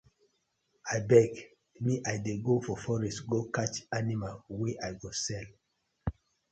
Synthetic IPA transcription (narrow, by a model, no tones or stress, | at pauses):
ajbɛɡ | miʔajdeɡofɔfɔɹɛstɡokat͡ʃanimalweʔajɡosɛl